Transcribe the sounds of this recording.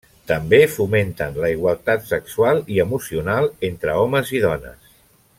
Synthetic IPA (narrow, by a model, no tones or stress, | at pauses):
t̪əmbefument̪ənləiɣwalˠt̪at̪səkswalˠiəmusiunalˠent̪ɾəɔməziðɔnə̰s